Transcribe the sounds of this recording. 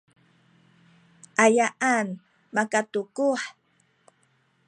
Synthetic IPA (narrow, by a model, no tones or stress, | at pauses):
ʔajaʔan | makatukuħ